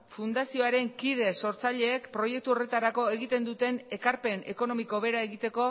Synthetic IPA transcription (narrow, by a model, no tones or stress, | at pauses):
fund̪asio̞aɾe̞ŋkið̞e̞so̞ɾt͡saʎe̞ːkpɾo̞je̞k̚t̪uo̞re̞t̪aɾako̞eɣit̪e̞nd̪ut̪e̞ne̞kaɾpe̞ne̞̰ko̞no̞miko̞βe̞ɾae̞ɣit̪e̞ko̞